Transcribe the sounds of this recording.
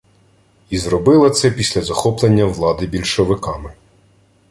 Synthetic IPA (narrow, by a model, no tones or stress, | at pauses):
izrɔbɪlˠɐt̪sɛpʲisʲlʲɐzɐxɔplˠenʲːɐʋlˠɑd̪ɪbʲilʲʃɔʋɪkɑmɪ